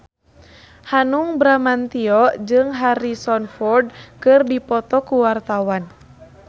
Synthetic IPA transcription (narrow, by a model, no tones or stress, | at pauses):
hanuŋbɾamant̪iɔʔd͡ʒɨŋɦaɾisɔnfɔrd̚kɨrdipɔt̪ɔkuwart̪awan